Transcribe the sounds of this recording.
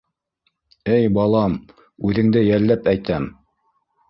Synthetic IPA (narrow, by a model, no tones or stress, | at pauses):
ɘjbɑlˠɑm | ʉðɘ̆ŋd̪ɘjælːæpæjt̪æm